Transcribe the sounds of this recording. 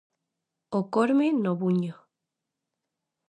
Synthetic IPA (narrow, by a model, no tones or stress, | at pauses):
okoɾmenoβuɲo